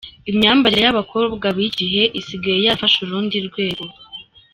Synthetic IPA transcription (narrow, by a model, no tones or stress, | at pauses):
imɲaːmbaɾejaβakʰo̞ːbɡaβiɟiɦe̞ʔisiɡajejafaʃuɾuːndiɾɡwe̞ːɡo